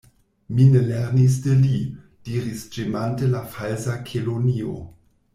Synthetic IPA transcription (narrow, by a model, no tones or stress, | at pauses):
mineleʁnis̬deli | d̥iɾisd͡ʒemantelafalsakʰelonio̰